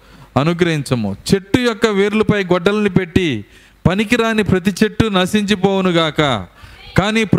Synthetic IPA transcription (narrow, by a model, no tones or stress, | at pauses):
ɐnuɡɾɐɦiɲt͡ʃɐmṵt͡ʃe̞ʈːujɔkːɐʋeːɾlɐpɐjɡɔɖːɐlɐnipe̞ʈːi | pɐnikiɾaːnːipɾɐt̪̬it͡ʃe̞ʈːunɐsiɲt͡ʃip̬oːwunuɡaːkɐ̰kaːniːp